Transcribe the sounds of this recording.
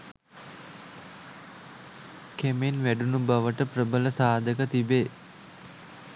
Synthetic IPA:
kemenʋæɖunubaʋəʈəprəbələsaːd̪əkət̪ibeː

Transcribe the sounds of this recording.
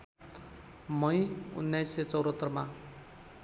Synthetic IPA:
mʌjṵnːajset͡sʌwɾʌt̪ːʌrma

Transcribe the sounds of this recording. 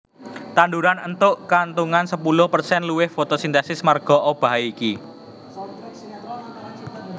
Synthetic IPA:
t̪anduɾanənt̪ʊʔkant̪uŋansəpulʊhpərsɛnluwɪhfot̪osint̪ɛsɪsmarɡ̥ɔ̤ʔob̥a̤aiki

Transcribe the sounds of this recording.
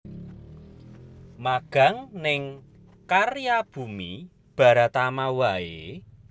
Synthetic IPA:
maɡ̥a̤ŋnɪŋ | karjab̥ṳmi | b̥a̤ɾat̪amawae

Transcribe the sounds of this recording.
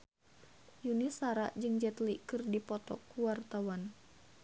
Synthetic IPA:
junisaɾaʔd͡ʒɨŋd͡ʒɛt̪likɨrdipɔt̪ɔ̰kuwart̪awan

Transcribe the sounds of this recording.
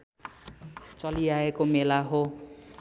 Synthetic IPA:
t͡sʌliaekomelaɦo

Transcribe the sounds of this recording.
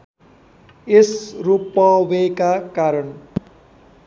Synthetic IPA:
esrupːʌwekakaɾʌn

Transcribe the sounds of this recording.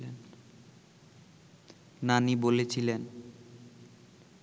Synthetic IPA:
en | nanibolet͡ɕʰilen

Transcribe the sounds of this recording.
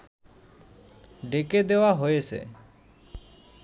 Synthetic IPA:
ɖeked̪eʋaɦoesḛ

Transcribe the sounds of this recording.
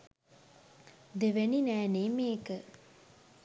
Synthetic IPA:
d̪eʋeninæːneːmeːkə

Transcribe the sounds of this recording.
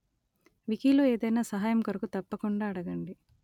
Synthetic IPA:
ʋikiːlo̞ːe̞ːd̪ɐjnaːsɐɦaːjɐmkɐɾɐkut̪ɐpːɐkuɳɖaːɽɐɡɐɳɖi

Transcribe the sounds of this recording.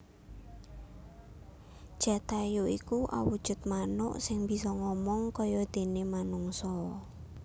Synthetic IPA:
ʒ̥a̤t̪ajuikuʔa̰wud̥ʒ̥ʊ̤t̪̚manʊ̰ʔsɪŋb̥i̤sɔŋɔmɔŋkɔjɔd̪̥e̤nemanuŋsɔ

